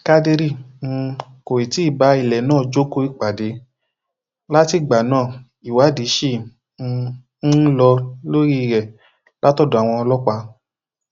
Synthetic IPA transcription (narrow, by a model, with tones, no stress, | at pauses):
ka˦de˧ɾĩ˦˨˧ | ko˨ɾi˨ti˨˦˨ba˨˦i˨lɛ˨nãː˦˨d͡ʒo˦ko˧˦i˦˨k͡pa˨de˨˦ | la˦ti˦˨ɡ͡ba˨nãː˦˨ | i˨wa˨˦di˨˦ʃe˦˨˧ | lɔ˧lo˦ɾi˦i˧˨ɾɛ˨ | la˦tɔ˦˨do˨a˨w̃ɔ̃˧ɔ˧lɔ˦k͡pa˧